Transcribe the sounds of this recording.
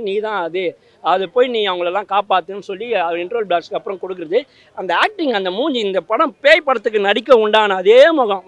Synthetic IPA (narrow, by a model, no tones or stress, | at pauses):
niːt̪ãːɐðɯ | ɐðɯpoːjinĩːɐʋɐŋɡɐɭɛlːãːkaːpaːt̪ːɯnːɯsɔlːiɐɪɳʈɾoːlbɭaːʈskɐpːɯɾɐ̃mkɔɽɯk̬ːɯɾɐðɯ | ɐnd̪ɐaːk̚ʈɪŋɡɐnd̪ɐmuːɲd͡ʒiɪnd̪ɐpɐɽɐ̃mpeːjpːɐɽɐt̪ːɯk̬ːɯnɐɽɪkːɐʊɳɖaːnɐːðeːmɔɣɐ̃